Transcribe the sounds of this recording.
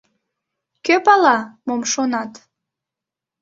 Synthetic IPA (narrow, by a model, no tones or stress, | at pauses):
køpɑlɑmomʃonɑt̪